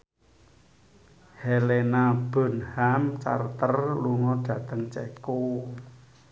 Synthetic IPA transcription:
helenab̥o̤nhamt͡ʃa̰rt̪ərluŋɔɖ̥ä̤t̪əŋt͡ʃɛko

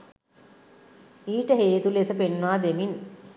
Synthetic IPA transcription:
iːʈəɦeːt̪ulesəpenːaːd̪emin

